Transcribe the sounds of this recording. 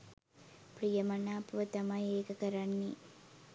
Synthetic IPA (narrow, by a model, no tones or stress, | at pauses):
pɾijɐmɐnaːpʋɐt̪ɐmɐjeːkɐkɐɾanːi